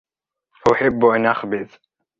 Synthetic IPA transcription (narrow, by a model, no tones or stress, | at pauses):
faʔʊħɪbːʔanʔaxbɪð